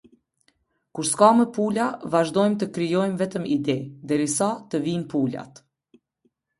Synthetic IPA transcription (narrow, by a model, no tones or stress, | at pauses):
kuɾskamɛpulavaʒd̪ɔjmt̪əkɾijɔjmvɛt̪əmid̪ɛd̪ɛɾisat̪əvinpula̰t̪